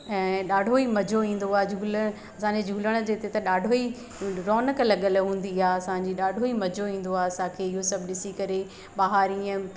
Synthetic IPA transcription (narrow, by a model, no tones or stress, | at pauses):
ɛ̃ːɗaːɖʱoimɐd͡ʑʱoĩːn̆d̪oaːed͡ʑʱuːlə | ɐsãɲd͡ʑed͡ʑʱuːləɽ̃̆d͡ʑeːt̪et̪ɐɗaːɖʱoi | ɾɔːnəklɐɠəlɦũːn̆d̪iaːɐsãɲd͡ʑiːɗaːɖʱoimɐd͡ʑʱoĩːn̆d̪oaːɐsãkʰeːɪɦosɐbʱɪɗɪsikɐɾe | ɓaɦaːɾiə̃